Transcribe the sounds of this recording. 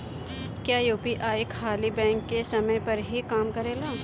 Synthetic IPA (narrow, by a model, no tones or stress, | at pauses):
kjaːjuːpiʔaːikʰaːlibɛ̃ːŋkːesɐməjpɐɾɦikaːmkɐɾeːlaː